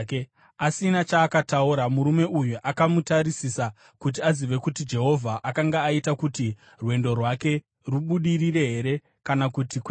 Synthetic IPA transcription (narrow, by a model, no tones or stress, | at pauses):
asinat͡ʃaːkatauɾamuɾume̞ʔujuʔakamutaɾisisa | kut̬iaziʋe̞kutid͡ʒe̞ɦo̞vʱaʔakaŋɡaːitakuti | rwe̞ndo̞rwake̞ | ruɓuɗirire̞ɦe̞ɾe̞ | kanakutikwe